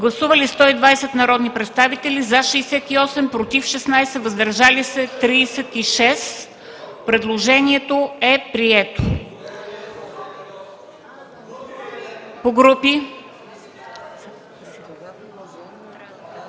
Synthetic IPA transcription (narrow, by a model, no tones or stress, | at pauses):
ɡlˠɐsuvɐlist̪ɔid̪vajsɛt̪nɐɾɔd̪nipɾɛt̪st̪avit̪ɛlizaʃiːsɛt̪iɔsɛmpɾot̪ifʃɛsnajsɛvəzd̪ɐɾʒalisɛt̪ɾiːsɛt̪iʃɛs | pɾɛd̪lˠoʒɛniɛt̪oɛpɾiɛt̪o | poɡɾupi